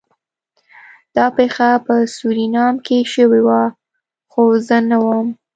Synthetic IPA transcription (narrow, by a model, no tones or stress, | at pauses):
d̪̥ɑpexapəsuɾinɑmkeʃəwewa | xozənawəm